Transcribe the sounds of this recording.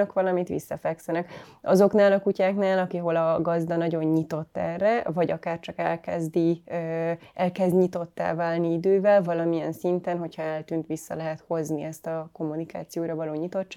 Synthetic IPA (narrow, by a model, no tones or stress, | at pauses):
økʋɒlɒmit̪ʋḭsːɒfɛksɛnɛkʔɒzo̞knaːlɒkucaːknaːlɒkiɦo̞lɒɡɒzd̪ɒnɒɟo̞ɲːit̪o̞t̪ːɛ̰rːɛvɒɟɒkaːrt͡ʃɒkɛlkɛzd̪i | ʔɛlkɛzd̪ɲit̪o̞t̪ːa̰ːvaːlniid̪øːvɛlvɒlɒmiɛnsint̪ɛnɦo̞chɒɛlt̪yːnt̪ʋisːɒ̰lɛɦɛt̪ho̞zniɛst̪ɒko̞mːunika̰ːt̪sijoːɾɒvɒloːɲit̪o̞tt͡ʃː